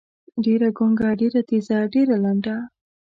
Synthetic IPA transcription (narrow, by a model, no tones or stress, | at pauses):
ɖeɾaɡoŋɡaɖeɾat̪izaɖeɾalaɳɖa